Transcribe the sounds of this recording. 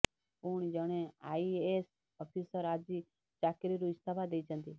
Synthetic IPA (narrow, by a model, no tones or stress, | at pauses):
uɳ̃d͡ʒəɽ̃ẽaːieːs | ɔpʰiːsəɾaːd͡ʒiː | t͡ʃaːkɪɾiɾuɪst̪ʰaːbad̪eit͡ʃə̃nd̪iː